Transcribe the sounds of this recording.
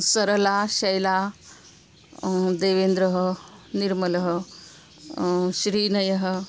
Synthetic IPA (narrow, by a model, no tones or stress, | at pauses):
sɐɾɐlaːʃɐjlaː | d̪eːʋeːnd̪ɾɐɦɐ̆niɾmɐlɐɦɐ | ʃɾiːnɐjɐɦɐ̆